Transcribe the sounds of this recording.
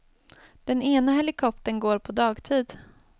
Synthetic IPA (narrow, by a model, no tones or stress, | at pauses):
d̪̥ɛneːnaɦɛlɪkʰɔpt̪ənɡoːɾpʰɔd̪ɑːɡt̪ʰiːd̪